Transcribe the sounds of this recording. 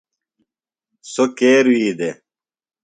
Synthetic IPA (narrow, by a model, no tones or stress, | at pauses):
sokeːɾwiːd̪e